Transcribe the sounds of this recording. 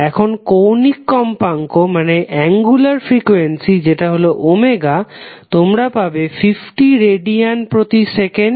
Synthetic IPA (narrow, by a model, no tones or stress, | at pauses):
ɛkʰonkownikːɔmpaŋkomaneʔɛŋɡulaɾfɾikuensid͡ʑeʈaɦoloʔomeɡat̪omɾapabefifʈiɾeɖianpɾot̪iseken